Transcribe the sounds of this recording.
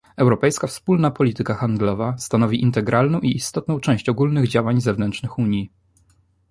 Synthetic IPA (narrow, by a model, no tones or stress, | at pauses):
ɛwɾɔpɛjskafspulnapɔlʲit̪ɘkaxand̪lɔvast̪anɔvʲiʔint̪ɛɡɾʔalnɔ̃w̃ʔiːst̪ɔt̪̚nɔ̃w̃t͡ʂɛw̃ɕt͡ɕɔɡulnɘɣd͡ʑawaɲzɛvnɛnt͡ʂnɘxuɲji